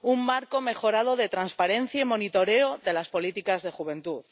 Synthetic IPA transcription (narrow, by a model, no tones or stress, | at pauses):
umːaɾko̞me̞xo̞ɾað̞o̞ðe̞t̪ɾanspaɾe̞n̟θjaimo̞nit̪o̞ɾe̞oðe̞laspo̞lit̪ikazðe̞xuβ̞ẽ̞nt̪uð